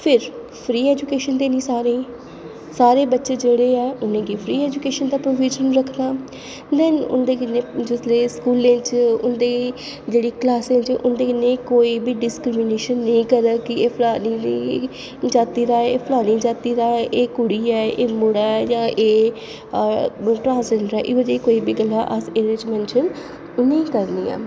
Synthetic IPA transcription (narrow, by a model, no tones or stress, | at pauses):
pʰɪɾ | pʰɾiːɛːd͡ʒʊkeːʃənd̪eːnĩːsaːɾẽː | saːɾeːbətːʃeːd͡ʒeːɽeːɛːʊnẽːɡipʰɾiːɛːd͡ʒʊkeːʃənd̪aːpɾoːʋiːd͡ʒənɾəkʰnaː | nɛːnʊ̰nd̪eːkɪnːẽːd͡ʒɪsɾeːskuːlẽːt͡ʃʊ̰nd̪eː | d͡ʒeːɽiːklaːsẽːt͡ʃʔʊnd̪eːkɪnːẽːkoːiːbiːɖɪskɾɪmɪneːʃənːəĩːkəɾəkɪeːpʰlaːniːni | d͡ʒaːt̪iːɾaːɛeːpʰlaːnĩːd͡ʒaːt̪iːɾaːɛʔeːkʊɽiːɛːʔeːmʊɽaːɛjãːʔeː | ʈɾãːnsd͡ʒeɳɖɾɛːʔɪːʋəd͡ʒeːikoːiːbiːɡəlːaːʔəseːɾed͡ʒmɛ̃ːnʃən | ʊnẽikəɾnḭːa̰ː